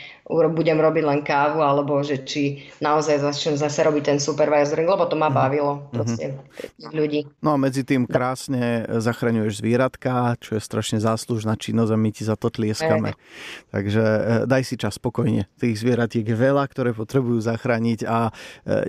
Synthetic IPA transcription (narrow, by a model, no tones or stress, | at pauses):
uɾɔbuɟɛmɾɔbiɟlɛnkaːʋualɛbɔʒɛt͡ʃinaɔzajzat͡ʃɲɛmzasɛɾɔbic̚t̪ɛnsupɛɾʋajazɔɾiŋɡlɛbɔt̪ɔmabaʋilɔpɾɔɦscɛt̪iːɣʎuɟiːnɔamɛd͡zit̪iːmkɾaːsɲɛzaxɾaɲujɛʒzʋɪɛɾat̪kat͡ʃɔjɛst̪ɾaʃɲɛzaːsluʒnaːt͡ʃinːɔzamicizat̪ɔt̪lɪɛskamɛ̰t̪a̰ɡʒɛd̪ajsit͡ʃaspɔkɔjɲɛ̰t̪iːɣzʋɪɛɾat̪ɪɛɡjɛʋɛlak̚t̪ɔɾɛːpɔt̪ɾɛbujuːzaxɾaːɲiɟa